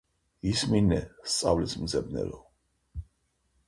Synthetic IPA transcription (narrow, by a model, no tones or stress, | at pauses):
isminɛst̪sʼavlismd̪zɛbnɛ̰ɾɔ